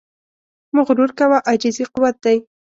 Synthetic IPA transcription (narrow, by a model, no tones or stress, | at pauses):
mʊɣɾuɾkawaʔad͡ʒɪziqʊwat̪̚d̪aj